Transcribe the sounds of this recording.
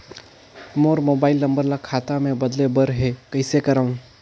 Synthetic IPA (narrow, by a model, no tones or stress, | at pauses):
moːɾmoːbaːɪlnə̃mbəɾlakʰaːt̪amẽbɐd̪lebəɾɦekɐɪsekɐɾaːũ